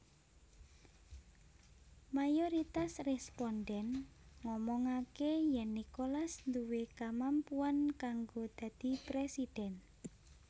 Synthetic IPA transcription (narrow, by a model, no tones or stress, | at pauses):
majoɾit̪asrɛspɔnɖɛnŋɔmɔŋakejɛnːikolasnd̪uwekamampuankaŋɡod̪̥ä̤d̪̥i̤pɾesid̪̥ɛn